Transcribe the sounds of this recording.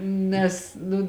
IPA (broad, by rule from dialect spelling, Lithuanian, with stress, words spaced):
ˈnʲɛs nʊ